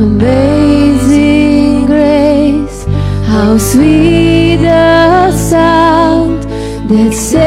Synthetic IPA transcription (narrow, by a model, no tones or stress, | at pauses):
əbeɪzɪŋɡɹeɪshaʊswi | əsaʊ̃nd | ðɨtse